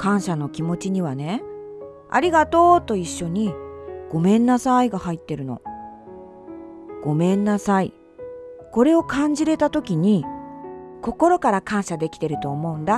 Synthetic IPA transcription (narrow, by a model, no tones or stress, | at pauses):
kãɰ̃ɕano̞kʲimo̞t͡ɕiɲ̟iβ̞ane̞ | a̰ɾʲiɡat̪o̞ːt̪o̞iɕːo̞ɲ̟iɡ̥o̞mẽ̞nːasaiɡahait̪ːe̞ɾɯ̟no̞̰ | ɡ̥o̞mẽ̞nːasai | ko̞ɾe̞o̞kãɲ̟d͡ʑiɾe̞t̪at̪o̞kʲiɲ̟i | ko̞ko̞ɾo̞kaɾakãɰ̃ɕad̪e̞kʲi̥t̪e̞ɾɯ̟t̪o̞ːmo̞ɯ̟̃nd̪a